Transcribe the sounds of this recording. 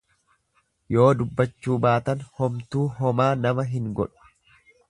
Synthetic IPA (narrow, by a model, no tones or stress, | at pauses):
jo̞ːd̪ʊbːɐt͡ʃːuːbaːt̪ɐnhɔmt̪uːɦɔmaːnɐmɐɦɪŋɡɔ̰ᶑʊ̥